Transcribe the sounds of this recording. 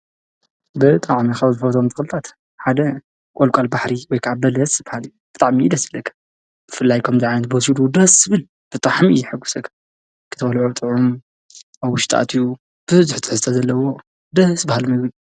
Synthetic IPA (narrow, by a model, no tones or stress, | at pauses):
bɨt̪ʼaʕmikɐβzɨfot̪ʰomt̪ʰɨ̥xɨlɨt̪ʰat̪ | ħad̪ɐ | kʼolkʼalbaħɾiwɔjkʰaʕabɐlɐsbahal | b̥ɨt̪ʼaʕmid̪ɐsɨlɐkʰɐ̥ | b̥ɨfɨlːajkʰɐmziʕanɐt̪̚bɔsid̪ud̪ɐsbɨn | b̥ɨt̪ʼaʕmḭjɛħɨɡːu̥sɐkʰːɐ̥ | kʰɨt̪ʰɐbɐlʕot̪ʼɨʕum | aβwʊʃt̪ʼa̰t̪ʰju | b̥ɨɨzuħt̪ʰɨ̥ħɨzɨt̪ʰɐzɐlːɐwo̞ | d̪ɐsbahalmɐβl